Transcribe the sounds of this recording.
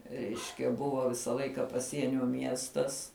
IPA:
ˈrʲɛɪʃʲkʲɛ ˈbʊʋoː ˈʋʲɪsɐ ˈlˠɐɪkɐ pɐˈsʲiɛnʲoː ˈmʲiɛstɐs

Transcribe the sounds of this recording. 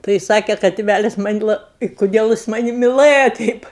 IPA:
tɐɪ ˈsɑːkʲɛ kɐ tʲɪˈʋʲælʲɪs ˈmɐnʲ lˠɐ ɪ kʊˈdʲiɛlʲ ˈjɪs ˈmɑːnʲɪ mʲɪˈlˠɘjɛ ˈtʲɛɪp

